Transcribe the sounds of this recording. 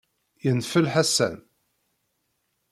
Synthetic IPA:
jənfəlħasæ̰n

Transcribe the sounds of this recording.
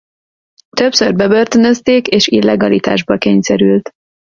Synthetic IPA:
t̪øpsørbɛbørt̪ønøst̪eːkeːʃilːɛɡɒlit̪a̰ːʒbɒkeːɲsɛɾylt̪

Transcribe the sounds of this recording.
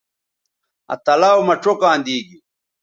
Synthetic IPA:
ɐ̰t̪ɐlaːwmɐʈ͡ʂokãːnd̪iːɡi

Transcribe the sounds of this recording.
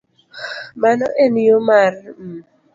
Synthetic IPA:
manɔʔenijomarm̩

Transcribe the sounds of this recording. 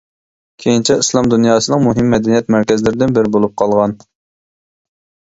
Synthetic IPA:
kʲʰejint͡ʃʰɛislˠɑmd̪unjɑːsɨnɨŋmuɦɪmːɛd̪ɛnijɛt̪̚mæɾkʲɛzɪlɪɾɪd̪ɪnbɪɾɪbolˠup̚qʰɑlˠʁɑn

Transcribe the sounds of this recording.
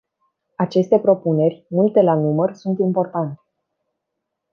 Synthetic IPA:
at͡ʃe̞st̪e̞pɾo̞pune̞rʲmult̪e̞lanumərsunt̪impo̞rt̪ant̪e̥

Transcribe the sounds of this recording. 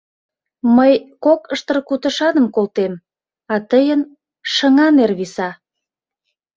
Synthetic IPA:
məjkokəʃt̪ərkut̪əʃɑnəmkolt̪em | ɑt̪əjən | ʃəŋɑnerβisɑ

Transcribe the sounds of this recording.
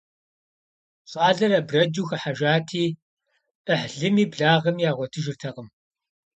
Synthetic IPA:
ɕʼɑːɮɐɾɐbrɐd͡ʒuːxɐħaʒʷaːtʰiː | ʔəħɮɨmiːbɮaːʁɐmjaːʁʷɔtʰɨʒɪrtʰɐʁəm

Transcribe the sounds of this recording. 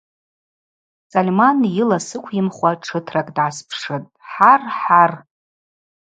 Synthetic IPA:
t͡sʼalʲmanjɪlasɨkʷʰjɪmχʷaʈ͡ʂʰɨtʰrakʼdʕaspʰʂɨtʼħarħar

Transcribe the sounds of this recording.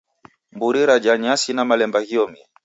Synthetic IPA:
mbuɾiɾad͡ʒaɲasinamalɛmbaɣiɔmi

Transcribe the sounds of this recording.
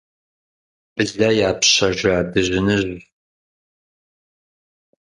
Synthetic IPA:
b̥ɨɮɐjaːpɕɐʒaːdɨʑɪnɨʑ

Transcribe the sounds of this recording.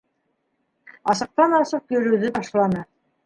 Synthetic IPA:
ɑsɤ̆q̚t̪ɑnɑsɤqjɵ̆ɾɵ̆wðɘt̪ɑʃlˠɑnɤ

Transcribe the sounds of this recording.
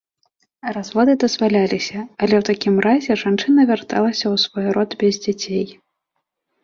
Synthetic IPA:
razvɔd̪ɨd̪ɐzvalʲalʲisʲɐɐlʲɛwt̪akʲimɾazʲɛʐant͡ʂɨnɐvʲart̪a̰lˠɐsʲɐwsvɔjɾɔd̪bʲɛzʲd͡zʲat͡sʲej

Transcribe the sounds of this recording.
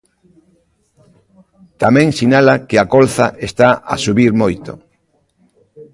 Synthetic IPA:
t̪amɛ̃ŋsinalakeakolθaʔest̪aʔa̰suβiɾmojt̪o̰

